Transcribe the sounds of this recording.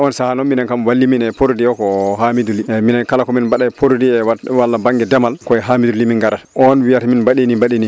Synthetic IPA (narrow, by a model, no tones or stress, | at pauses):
ɔnsahanɔminɛnkamwalːiminɛpoɾdijɔkɔɦamiduliminɛnkalakɔminbaɗapʰoɾdiɛwwalːabaŋɡɛdɛmalkɔɛɦamidulimiŋɡaɾaʔɔnwijataminbaɗinibaɗini